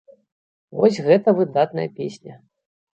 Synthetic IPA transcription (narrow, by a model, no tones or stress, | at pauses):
vɔsʲɣɛt̪ɐvɨd̪at̪nɐ̰jɐpʲesʲnʲɐ